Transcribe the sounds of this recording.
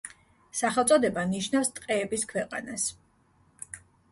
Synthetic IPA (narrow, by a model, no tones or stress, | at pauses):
saχɛlˠt̪sʼɔd̪ɛbaniʃnafst̪ʼqʼɛːbiskʰwɛqʼa̰nas